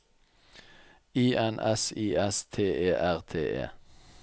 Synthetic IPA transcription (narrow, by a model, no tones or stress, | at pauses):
iːʔɛnɛ̰siːʔɛst̪ʰeːʔeːʔæʁt̪ʰḛːʔḛː